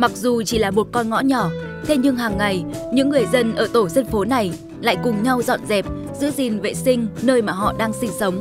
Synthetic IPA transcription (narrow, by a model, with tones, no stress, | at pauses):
ma˨˩k̚zu˨˩t͡ɕi˧˩laː˨˩mo˨˩t̚kɔ˧nŋɔ̰˧˥ɲɔ˧˩ | t̪ʰe˧ɲɨ˧ŋɦaː˨˩ŋːa˨˩jɲɨ̰˧˥ŋːɨ˨˩əjzə˧nʔəː˧˩t̪o˧˩sə˧ŋfo˨˦na˨˩j | la̰ː˧˨jkʊ˨˩ŋ͡mɲa˧wzɔ̰˧˨nzɛ˨˩p̚ | zɨ̰˧˥zi˨˩nvḛ˧˨sï˧ŋ̟nəː˧jmaː˨˩ɦɔ̰˧˨ɗaː˧ŋsï˧ŋ̟sə˨˦wŋ͡m